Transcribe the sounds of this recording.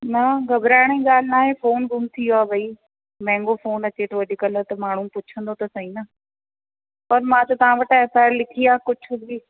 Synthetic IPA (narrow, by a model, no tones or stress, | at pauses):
nɐɡʱɐbɾaːɪɽ̃eɠaːl̤ɪnaːɦefoːnɡʱʊmt̪ʰijoaːʋɐiː | mɛ̃ːŋɡofoːnɐt͡ɕet̪ɐʋɐɗɪkɐlət̪ɐmaːɳ̤ũpʊt͡ɕʰə̃nd̪ot̪ɐsɐĩːnɐ | pɐɾmãːt̪ɐt̪ɐʋ̤ãʋɐʈefaːɾlɪkʰiaːkʊt͡ʃʰʊ̃iː